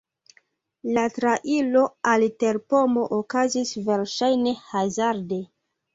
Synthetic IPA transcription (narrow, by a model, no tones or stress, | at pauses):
latɾaʔilo̞alte̞ɾpo̞mo̞ʔokazisve̞ɾʃajne̞hazaɾde̞